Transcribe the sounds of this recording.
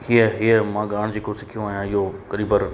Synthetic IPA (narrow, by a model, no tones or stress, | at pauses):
hiəɦiəmãːɠaːɽ̃d͡ʑeːkosɪkʰijõaːɦijãɪɦokɐɾiːbəɾ